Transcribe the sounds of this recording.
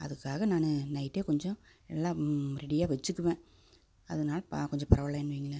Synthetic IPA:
ɐ̰ðɯkːaːɣɐnaːnɯnɐɪʈːeːkɔɲd͡ʒɔ̃ | ɛlːãːɾɛɽɪjaːʋɛt͡ʃːɯkːɯʋẽː | ɐðɐnaːlɐpa̰kɔɲd͡ʒɔ̃pɐɾɐʋɐlaːɪnːɯʋiːŋɡɐlɐ

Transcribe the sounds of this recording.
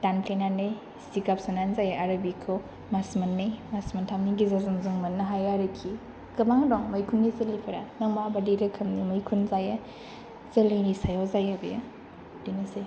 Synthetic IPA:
tanpʰenanɯj | sikapsananzajaaɾɐbikʰo | masmɐnːɯjmasmɐntʰamniɡizazɯŋzɯŋmɐnːɐɦajaɾɯkʰi | kɐbaŋdɔŋmɐjkʰunɡizɐlipʰɐɾanɐŋmabadiɾɐkʰɐmnimɐjkʰunzaja | zɐlinisajɔzajabɐja | d̥inɐsej

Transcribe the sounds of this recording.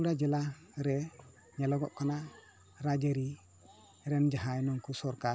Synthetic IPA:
uɽad͡ʒɛla | ɾɛ | ɲɛlɔɡɔ̰ʔkana | ɾad͡ʒeɾi | ɾɛnd͡ʒaɦãjnɔŋkusɔɾka

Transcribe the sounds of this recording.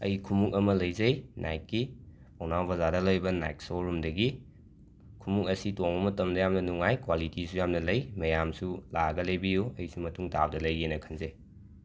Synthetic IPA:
ɐ̰jkʰumukɐmɐlɐjzɐjnʔa̰jt̚ki | pʰawnawbɐzadɐlɐjbɐna̰jk̚soɾumdɐɡi | kʰumukɐsitoŋbɐmɐtɐmdɐjamnɐnuŋajkwalitisujamnɐlɐjmɐjamsulaɡɐlejbijuɐjsumɐtuŋda̰b̚dɐlɐjenɐkʰɐnzej

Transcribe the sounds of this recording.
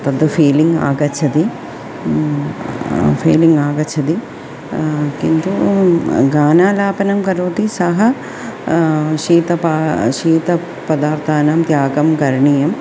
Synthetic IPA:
t̪ɐd̪ɐpʰiːliŋɡa̰ːɡɐt͡ʃʰːɐd̪i | pʰḭːliŋɡaːɡɐt͡ʃʰːɐd̪i | kint̪u | ɡaːnaːlaːpɐnɐmkɐɾuʋt̪isɐɦɐ | ʃiːt̪ɐpaʃiːt̪ɐ | pɐd̪aːɾt̪ʰaːnaːmt̪jaːɡɐmkɐɾɳijɐm

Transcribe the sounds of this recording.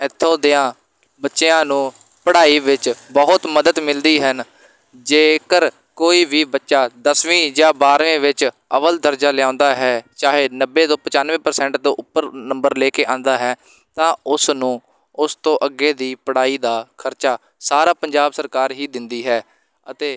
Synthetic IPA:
ɪt̪ʰːõːd̪eãː | bətːʃeãːnũː | pəɽaːiːʋɪt͡ʃbəɦt̪məd̪əd̪mɪld̪iːɦən | d͡ʒeːkəɾ | koːiːʋiːbətːʃaːd̪əsʋĩːd͡ʒãːbaːɾʋẽːʋɪt͡ʃ | əʋəld̪əɾd͡ʒaːlɪjãːʊːnd̪aːɦɛːt͡ʃaːɦeːnəbːeːt̪õːpət͡ʃaːnʋẽːpəɾsɛ̃ːɳʈd̪oːʔʊpːəɾnəmbəɾleːkeːʔãːnd̪aːɦɛː | t̪ãːʊsnũː | ʊst̪õːʔəɡːeːd̪iːpəɽaːiːd̪aːkʰəɾt͡ʃaː | saːɾaːpəɲd͡ʒaːbsəɾkaːɾɦiːd̪ɪnd̪iːɦɛː | ət̪eː

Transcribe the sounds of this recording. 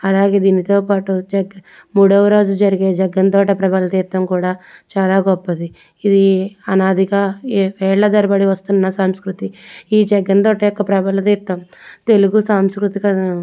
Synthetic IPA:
ɐlaːɡe̞ːd̪iːnit̪o̞ːpaːʈud͡ʒɛɡ | muːɽɐʋɐɾo̞ːd͡ʒud͡ʒɐɾiɡe̞ːd͡ʒɛɡːɐnt̪oːʈɐpɾɐbɐlɐt̪iːt̪ːɐmkuːɽaːt͡ʃaːlaːɡɔpːɐd̪i | id̪iɐnaːd̪ʱiɡaːʋɛːɭlɐd̪ɐɾɐbɐɽiʋɐst̪unnːɐsaːmskɾut̪iiːd͡ʒɛɡːɐnt̪oːʈɐjɔkːɐpɾɐbɐlɐt̪iːt̪ːɐmt̪e̞luɡusaːmskɾut̪ikɐɐ

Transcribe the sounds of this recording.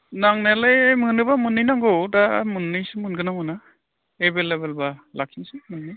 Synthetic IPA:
naŋnelejmɯnɯbamɯnːɯjnaŋɡɯdamɯnːɯjsɯmɯnɡɯnamɯna | ebelebelbalak̚sinsɯmɯnːi

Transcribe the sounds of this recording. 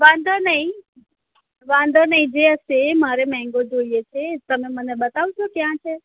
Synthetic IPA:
ʋãnd̪ʱanəɦĩ | ʋãnd̪ʱanəɦĩd͡ʒeəʃemaɾemɛ̃ŋ̆ɡod͡ʒoijet͡ʃʰet̪əmeməneɓət̪aʋt͡ʃʰokjãt͡ʃʰe

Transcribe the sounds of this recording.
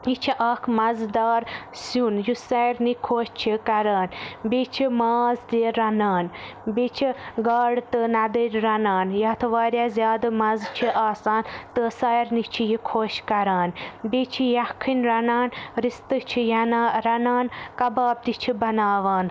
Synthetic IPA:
it͡ʃʰiʔaːkʰmɐzd̪aːɾsunjusɐːjɾnikʰoːʃt͡ʃʰikɐɾaːnbit͡ʃʰimaːzd̪eːɾɾɐnaːnbit͡ʃʰiɡaːɽt̪ɨnɐd̪əɾʲɾɐnaːnjɐt̪ʰɨʋaːɾʲjaːzʲjaːd̪ɨmɐzt͡ʃʰiʔaːsaːnt̪ɨsɐːjɾnit͡ʃʰijikʰoːʃkɐɾaːnbit͡ʃʰijɐkʰːinɾɐnaːnɾist̪ɨt͡ʃʰijɐnaɾɐnaːnkɐbaːb̚d̪it͡ʃʰibɐnaːʋaːn

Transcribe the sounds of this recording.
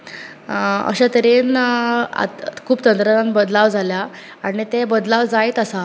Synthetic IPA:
ə̰ɕat̪əɾin̰ | kʰuːpt̪ənt̪ɾaɾanbəd̪laʋd͡zʱalja | aɽ̃it̪ebəd̪laʋd͡zajt̪əsa

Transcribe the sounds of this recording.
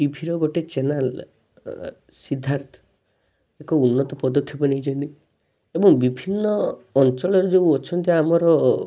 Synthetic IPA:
ʈibʱiɾɔɡoʈet͡ʃenal | sid̪ʱːaɾt̪ʰɔ̥ | ekɔunːɔt̪ɔpɔd̪ɔkʰːjɔpɔnejd͡ʒɔnt̪i | ebɔŋbibʱinːɔːnt͡ʃɔɭɔɾɔd͡ʒeuɔt͡ʃʰɔnt̪iaamɔɾɔ

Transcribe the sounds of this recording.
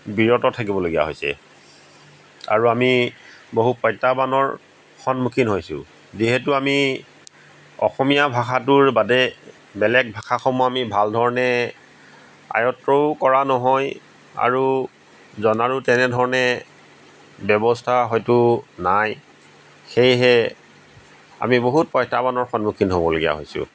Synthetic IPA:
biɹɔtɔtʰak̬ibɔloɡija̰ɦo̰jsɛ̰ | a̰ɹuamiboɦupɔjtːabanɔɹ | xɔnmukʰinɦojsʊ̰ | ziɦɛtuami | ɔ̰xɔmijabʱaxatuɹbadɛ | bɛlɛk̚bʱaxʰaxʰɔmɔamibʱaldʱɔɹɔnɛ | a̰jɔtɹoʊkɔɹanɔɦɔj | a̰ɹu | zɔnaɹutɛnɛdʱɔɹɔnɛ | bɔbɔstʰaɦɔjtʊnaj | xejɦɛ | a̰miboɦut̚pɔjtabanɔɹxɔnmukʰinɦobɔlo̰ɡija̰ɦo̰jsʊ̰

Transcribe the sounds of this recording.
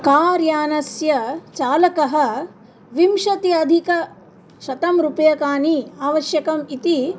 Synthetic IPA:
kaːɾjaːnɐsjɐt͡ʃaːlɐkɐɦɐ̆ | ʋimʃɐt̪iɐd̪ʱikɐ | ʃɐt̪ɐmɾupɐjɐkaːniaːʋɐʃjɐkɐmit̪i

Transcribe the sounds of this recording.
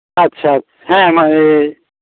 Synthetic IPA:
ɐt̪ːʃʰat̪ʰaɦɛ̃mae

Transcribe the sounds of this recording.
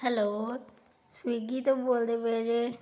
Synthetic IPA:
hɛloː | swiɡit̪oboːld̪ebeɾe

